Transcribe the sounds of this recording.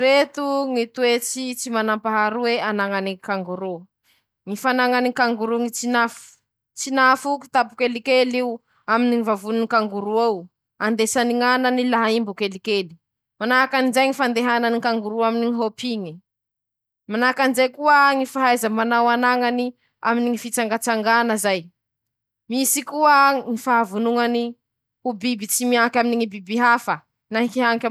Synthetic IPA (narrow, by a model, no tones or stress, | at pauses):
ɾet̪uŋit̪uwet͡sit͡simanampaɦaɾuweanaŋanikaŋɡuɾu | ŋifanaŋanikaŋɡuɾuŋit͡sinafu̥ | t͡sinafuki̥t̪apu̥kelikeliu | aminiŋivavununikaŋɡuɾuaw | and̪esaniŋananilaɦaimbukelikeli̥ | manakanizajŋifand̪eɦananikaŋɡuɾuaminiŋiɦopiŋi | manakanizajkuəŋifaɦajzəmanawanaŋani | a̰miniŋifit͡saŋɡat͡saŋɡanəzaj | misikuəŋifaɦavunuŋani | ubibit͡simiaŋkʲaminiŋibibiɦafə | naĩkiɦaŋkʲa